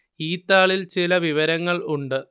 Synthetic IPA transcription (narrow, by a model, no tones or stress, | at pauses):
iːt̪ːaːɭilt͡ɕilɐʋiʋɐɾɐŋːɐɭuɳɖɨ